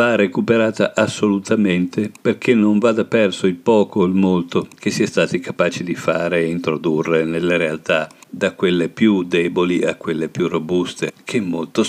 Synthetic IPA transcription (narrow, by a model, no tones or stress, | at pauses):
arekupeɾaːt̪a̰ʔasːolut̪ament̪eperk̟ʰenːoɱvad̪apɛrsoilpɔːkoilmolt̪ok̟esːiɛst̪aːt̪ikapaːt͡ʃid̪ifaːɾeːint̪ɾod̪urːenelːeɾealt̪ad̪akwelːepjud̪ɛːboliʔakːwelːepjurobust̪ekʰemːolt̪o